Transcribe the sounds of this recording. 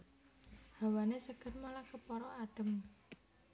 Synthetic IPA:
hawanesəɡ̥ə̤rmalakəpɔɾɔaɖ̥ə̤m

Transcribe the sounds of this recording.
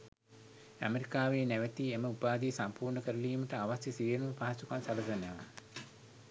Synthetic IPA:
æ̰meɾikaːʋeːnæʋət̪ieməupaːd̪iːsampuːrɳəkəɾəliːməʈəaʋasjəsiʋenuməpaɦasukansalɐd̪ɐneʋa̰

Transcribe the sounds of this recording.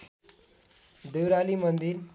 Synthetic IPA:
d̪ewɾalimənd̪iɾ

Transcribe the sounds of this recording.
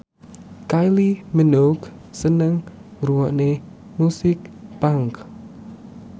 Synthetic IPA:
kajlimənoksənəŋruwɔʔne | musɪk̚paŋk

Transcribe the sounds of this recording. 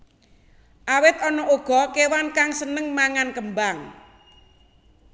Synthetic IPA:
ʔawɪt̪̚ɔnɔʔuɡ̥ɔ̤kewankaŋsənəŋmaŋankəmbaŋ

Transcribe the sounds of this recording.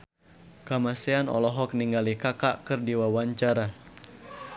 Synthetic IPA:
kamaseanɔ̰lɔɦɔk̚niŋɡalikakaʔkɨrdiwawaɲt͡ʃaɾa

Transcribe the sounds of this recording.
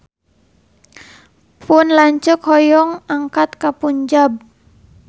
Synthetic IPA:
pʊnlaɲt͡ʃəkhɔjɔŋaŋkat̪̚kapuɲd͡ʒab̚

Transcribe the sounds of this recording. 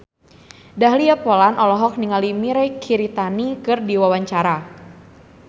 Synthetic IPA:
daɦliapolanʔɔlɔɦɔk̚niŋalimiɾɛkʰiɾit̪anikɨrdiwawaɲt͡ʃaɾa

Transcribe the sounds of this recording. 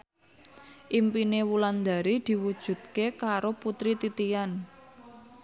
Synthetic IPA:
ʔimpinewuland̪a̤ɾid̪̥i̤wud̥ʒ̥ṳt̪̚kekaɾoput̪ɾit̪it̪ijan

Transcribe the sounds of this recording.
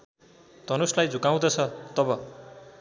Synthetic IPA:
t̪ʌnuslajd͡zʱukaw̃d̪ʌt͡sʰʌt̪ʌbʌ

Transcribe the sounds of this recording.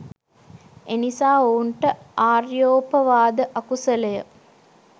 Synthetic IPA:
enisaːouɳʈəaːrjoːpəʋaːd̪əʔakusələjə̰

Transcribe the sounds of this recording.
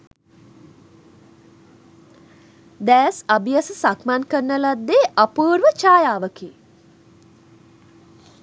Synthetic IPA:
d̪ɛːsabijasəsakmankərnəlad̪ːeʔapuːɾʋət͡ʃaːjaːʋəki

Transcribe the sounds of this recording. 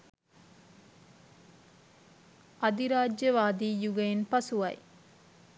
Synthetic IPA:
ʔɐd̪iɾaːd͡ʒjəʋaːd̪iːjuɡɐjenpɐsuʋɐ̰j

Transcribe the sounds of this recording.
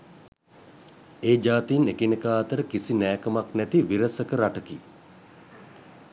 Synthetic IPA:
eːd͡ʒaːt̪iːnekinəkaːt̪əɾəkisinɛːkəmaknɛt̪iʋiɾəsəkəɾaʈəkḭ

